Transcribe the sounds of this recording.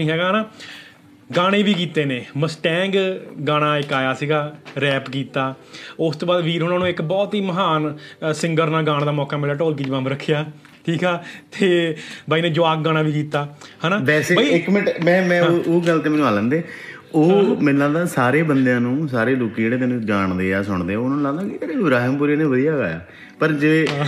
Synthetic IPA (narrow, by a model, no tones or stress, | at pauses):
ĩɦɛːɡaːɦnaː | ɡaːɽ̃eːʋiːkiːt̪eːnẽːməsʈɛ̃ːŋɡɡaːɽ̃aːɪkaːjaːsiːɡaːɾɛːpkiːt̪aːʊst̪õːbaːd̪ʋiːɾɦʊnãːnũːɪkbɔːt̪ɦiːməɦaːnsɪŋɡəɾnaːɡaːɽ̃d̪aːmɔːkaːmeːɾaːʈoːlk̬ɪd͡ʒʋãːmbɾəkʰːjaː | ʈʰiːkaːt̪ʰeːbaːiːnẽːd͡ʒʊaːk̚ɡaːɽ̃aːʋiːkiːt̪aːhãːnaːbɛːseːbaiɪkmɪnʈmɛ̃ːmɛ̃ːoːʔoːɡəlt̪eːmɛːnũɦələ̃ːnd̪eː | oːmɪlaːnd̪aːsaːɾeːbənd̪jãːnũːsaːɾeːloːkiɽeːt̪eːnũːd͡ʒaːɳd̪eːaːsʊɳd̪eːɛʊnãːnũːlaɡd̪aːkɪeɾeːɪbɾaːɦɪmpuɾeːneːʋəd̪ijaːɡa̰ːja̰ː | pəɾd͡ʒeː